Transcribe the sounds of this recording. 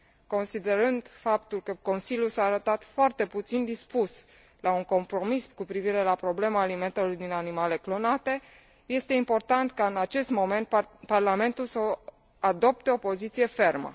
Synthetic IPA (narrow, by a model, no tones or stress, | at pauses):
ko̞nsid̪e̞ɾɨnd̪fapt̪ulkəko̞nsiljulsaːɾət̪at̪foart̪e̞put̪sind̪ispus | lauŋko̞mpɾo̞miskupɾiviɾe̞lapɾo̞ble̞maːlime̞nt̪elujd̪inanimale̞klo̞nat̪e̞ | je̞st̪e̞impo̞rt̪ant̪kaɨnat͡ʃe̞st̪mo̞me̞nt̪parlame̞nt̪ulsə | ad̪o̞p̚t̪eopo̞zit̪sije̞fe̞rmə̰